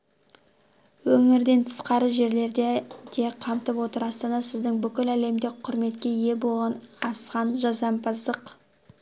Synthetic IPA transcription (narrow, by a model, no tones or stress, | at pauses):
wɵŋɪɾd̪e̞nt̪ʰə̥sqɑɾəʒe̞ɾle̞ɾd̪ed̪̥e̞qʰɑmt̪əpwo̞t̪əɾɑst̪ɑnɑsɪzd̪ɪŋbʏkʲɪlæle̞md̪ɪk̚ʲqʰʊɾme̞t̪̚kʲe̞je̞bolˠʁɑnɑsqɑnʒɑzɑmpɑzd̪əq